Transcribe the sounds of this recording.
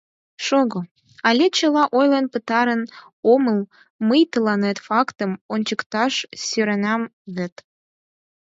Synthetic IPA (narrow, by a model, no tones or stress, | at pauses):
ʃoɣo | ɑlʲet͡ɕə̆lɑʔojlənpət̪ɑɾən | oməl | məjt̪əlɑnet̪fɑkt̪əmonʲt͡ɕəkt̪ɑʃsøɾænɑmβɘ̆t̪